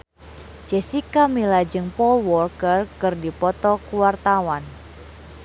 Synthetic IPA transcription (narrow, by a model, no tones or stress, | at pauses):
d͡ʒɛsikamilad͡ʒɨŋpɔlwɔrkərkɨrdipɔt̪ɔkuwart̪awan